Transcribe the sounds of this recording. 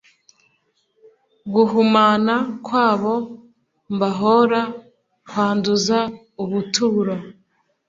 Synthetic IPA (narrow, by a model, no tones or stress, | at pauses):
ɡuɦumaːnakwaːβo̞ | mbaɦo̞ɾa | kʰwaːnduza | uβutuɾo